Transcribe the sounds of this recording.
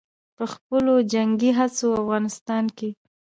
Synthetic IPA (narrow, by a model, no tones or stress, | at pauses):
pəxpəlod͡ʒaŋɡiɦat͡soafɣɑnɪst̪ɑnke